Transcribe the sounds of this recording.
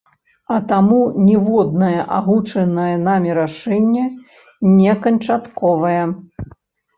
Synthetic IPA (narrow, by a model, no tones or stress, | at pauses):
ɐt̪amunʲɛvɔd̪̚nɐjɐʔaɣut͡ʂɐnɐjɐnamʲɛɾaʂɛnʲːɛ | nʲɛkɐnt͡ʂat̪kɔvɐjɛ